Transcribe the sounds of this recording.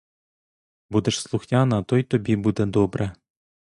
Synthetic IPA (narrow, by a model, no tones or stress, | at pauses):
bud̪ĕʂslˠuxnʲɑnɑt̪ojt̪obʲibud̪ɘ̆d̪obɾɘ̆